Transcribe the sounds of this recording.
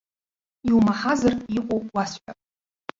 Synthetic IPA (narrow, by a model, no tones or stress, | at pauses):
iumaħazarʼikʷʼowwasħʷᶣapʼ